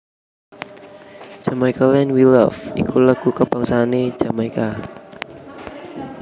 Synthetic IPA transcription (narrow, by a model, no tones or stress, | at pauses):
d͡ʒ̥amaikalɛnwilafḭkuləɡ̥ukəb̥aŋsaːne̥d͡ʒ̥amaika